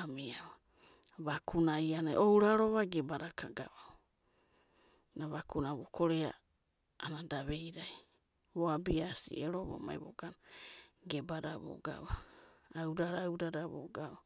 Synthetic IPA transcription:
amiaβa | βakʰunaianaʔowɾaɾoβaɡebaɾakʰaɡaβa | naβakunaβokʰoɾea̰ː | nadaβe̞jɾaj | βoabiasḭʔeɾoβo̰ma̰jβo̰ɡanɡebaɾaβo̰ɡa̰βaawdaɾawdaɾaβo̰ɡaβa

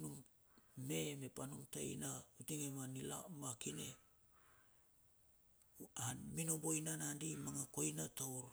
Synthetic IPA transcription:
num | meme̞panumta̰j̰nautiŋemanila̰makine̞̰ | anminobojnanandimaŋako̞jnatowɾ

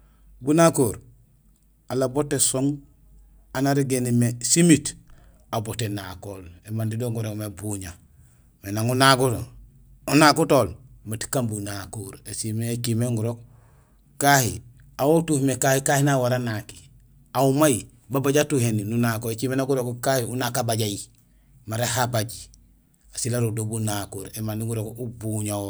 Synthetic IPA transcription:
bunakoːɾ | alabotːesoŋ | anaɾiɡenimesimit | abotenakoːlemandidoŋɡuɾokmebuɲa | menaŋunakuto | unakutoːlmati̥kambunakoɾesimeet͡ʃimeŋɡuɾok̚ | kahḭ | awotuːfmekahikahinawaɾanaki̥ | aumaji | babaɟatuheninunakoekimenaɡuɾokukahiunakabaɟaji | maɾehabaɟi | asilaɾodobunakoːɾemandiŋɡuɾokubuɲao

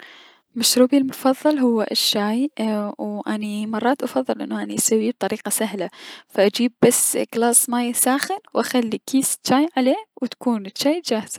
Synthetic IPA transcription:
maʃɾuːbilmʊfɑðˤːɨlɦʊwːʔʃːaːjwʔanimɑrˤːɑːt̪ʔɑfɑðˤːɨlʔɪ̰nːʊʔaniʔasawːib̚t̪ˤɑɾiːqɑsaɦlafaʔad͡ʒiːb̚ːasːɡlɑːsˤmaːjsaːxɪnwʔaxalːikʰiːst͡ʃːaːjʕaleːwt̪ḁkuːnt͡ʃːaːjd͡ʒaːhɪz̥a

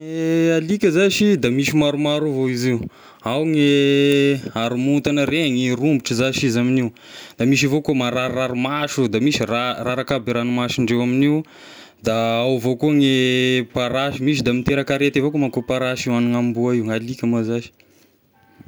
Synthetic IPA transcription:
ealikʲəzaʃid̪amiʃimaɾumaɾuvoiziu | awŋe | aɾumunt̪anəɾeŋirumbuʈ͡ʂizaʃizaminiw | d̪amiʃ̬ivokomaɾaɾːaɾumaʃud̪amisiraraɾakabiɾanumaʃiɳɖ͡ʐewaminiw | d̪aawvokuŋepaɾaʃimiʃid̪amit̪eɾakaɾet̪ivokomakopaɾaʃiwaniŋambuaiuŋalikʲamazaʃi̥

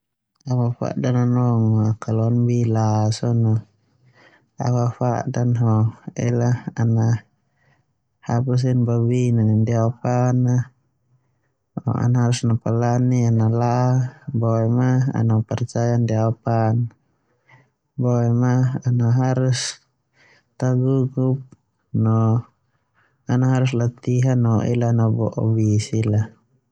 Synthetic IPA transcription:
awafa̰ʔdananɔŋakaluanbilasɔnɔ | a̰wafa̰danɦɔɛ̰lahana | habus̬inbabinanindiapana | ɔ̰a̰naɦaɾusnapalanianalabɔɛmaa̰napɛrt͡ʃajandiapan | bɔɛmaanaɦaɾus | t̪aɡuɡup̚ | nɔ | anaɦaɾuslat̪iɦanɔʔḭlanabɔʔɔbisila

